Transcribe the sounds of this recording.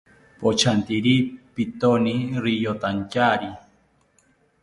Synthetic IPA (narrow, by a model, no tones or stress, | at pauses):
pot͡ʃʰant̪iɾipit̪oniɾijot̪ancaɾi